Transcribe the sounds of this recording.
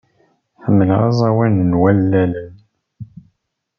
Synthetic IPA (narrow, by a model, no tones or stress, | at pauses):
ħəmːəlʁɑ̰zˤɑwænənwælːælən